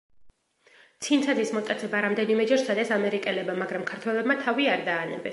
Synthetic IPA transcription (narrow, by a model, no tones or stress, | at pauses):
t̪sʰinsʰad̪ismɔt̪ʼat̪sʰɛbaɾamd̪ɛnimɛd͡ʒɛɾsad̪ɛsamɛɾikʼɛlɛbamaɡɾamkʰaɾt̪ʰwɛlɛbmat̪ʰaviaɾd̪aːnɛ̰bɛs